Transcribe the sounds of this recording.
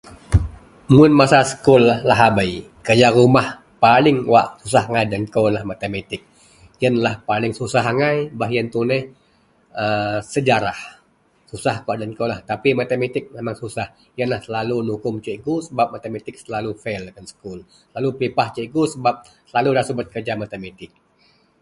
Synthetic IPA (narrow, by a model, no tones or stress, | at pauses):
mʊnmasasə̥kʊlːahlaɦabaj | kəd͡ʒaɾumah | palɪŋwaʔsus̬ahaŋajdənkowlahmat̪emet̪ɪk̚ | jənlahpalɪŋsusaɦaŋajbaɦjənt̪unəh | əsəd͡ʒaɾah | susahkuaʔdənkowlaht̪apimat̪emet̪ɪk̚memaŋsusah | jənlahsəlalunukʊmt͡ʃeʔɡusəbap̚mat̪emat̪ɪk̚səlalufɛlkansə̥kul | laluplipaht͡ʃeʔɡusəbap̚ | səlaludahsəbət̪̚kərd͡ʒamat̪emet̪ɪk̚